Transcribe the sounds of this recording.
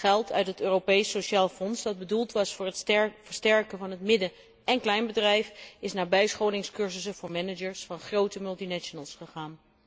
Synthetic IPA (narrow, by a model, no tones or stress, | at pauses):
χɛlˠtʰœɥtɦətøːrowpejsoʃaːlˠfɔnsdɑd̚bədulˠtʋɑsfʊːɹɦətfəɹstɛɹkənvɑnɦətmɪdə | ɛnklɛjnbədrɛjfɪsnaːbɛjsχowlɪŋskɵɹzəsənvʊːɹmɛnəd͡ʒəɹsfɑnχrowtəmɵlˠtinɛʃonəlˠsχəχaːn